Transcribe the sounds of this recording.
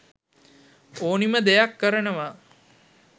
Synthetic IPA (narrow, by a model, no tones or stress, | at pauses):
oːniməd̪ejakːəɾənəʋa